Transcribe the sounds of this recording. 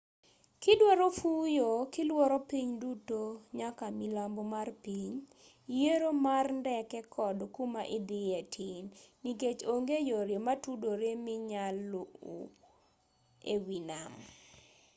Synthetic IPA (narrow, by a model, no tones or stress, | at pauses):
kɪdwɔɾofujokɪlwɔɾɔpiɲdutoɲakamilambomarpiɲ | jeɾomarndɛkɛkʰɔdkumaʔɪd̪ɪetʰinːiket͡ʃoŋɡejoɾjomatudoɾemɪɲaloṵ | ḛwinam